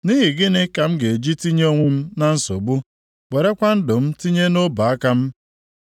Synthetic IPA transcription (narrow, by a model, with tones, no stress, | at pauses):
ni˦ɦi˨ɡɪ˦nɪ˦ka˨m̩˦ɡe˨d͡ʒi˦ti˦ɲ˦o˦ŋʷe˦m̩˦na˦n̩˦so̰˨bu˦ | ɡ͡be˨ɾe˦kʷa˦n̩˦dʊ˨m̩˦ti˦ɲe˦no˦ba˨a˦ka˦m̩˦